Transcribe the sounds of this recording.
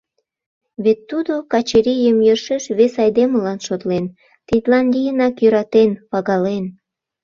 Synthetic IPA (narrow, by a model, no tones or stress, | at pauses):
βet̪ːud̪okɑt͡ɕeɾijəmjəʃeʃβesɑjd̪eməlɑnʃot̪len | t̪it̪lɑnlʲijənɑkjøɾɑt̪enpɑɣɑlen